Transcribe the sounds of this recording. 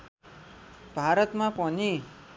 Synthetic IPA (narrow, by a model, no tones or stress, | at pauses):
bʱaɾʌt̪mapʌni